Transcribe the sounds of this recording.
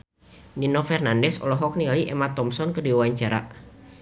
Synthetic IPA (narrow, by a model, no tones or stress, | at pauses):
ninɔfɛrnandɛsɔ̰lɔɦɔk̚nialiʔɛmat̪ɔmsɔnkədiuwaɲt͡ʃaɾa̰